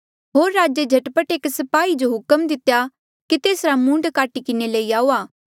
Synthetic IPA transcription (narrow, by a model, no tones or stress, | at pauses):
ɦoːɾːaːd͡ʒed͡ʒʱɐʈpəʈeːksɐpaːid͡ʒoɦʊkəmd̪ɪt̪ja | kit̪eːsɾamũːɳɖkaːʈikɪneləiaːuaː